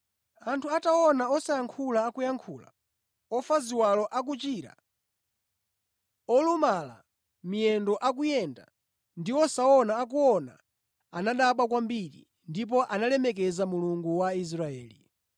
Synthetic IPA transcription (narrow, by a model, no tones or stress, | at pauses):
antʰuataɔnaɔsajaŋkʰulaːkujaŋkʰula̰ | ɔfaziwalɔʔak̬ut͡ʃiɾa̰ | ɔlumala̰ | mijɛndɔʔak̬ujɛnda | ndiɔsaɔnaːk̬uɔna̰ | anaɗaɓakwambiɾḭ | ndip̬ɔʔanalɛmɛk̬ɛzamuluŋɡuwais̬ɾaɛːlḭ